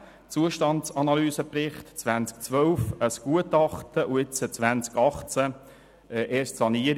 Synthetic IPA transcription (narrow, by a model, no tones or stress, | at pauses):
t͡suəʃtɑntt͡sɑnɑlyːsəprɪχtt͡sʋænt͡sk̚t͡sʋœwfəsɡ̥uətɑχt̪əʔuɪt͡sət͡sʋænt͡skɑχt͡sæ | ɛʔeːstsɑniəɾ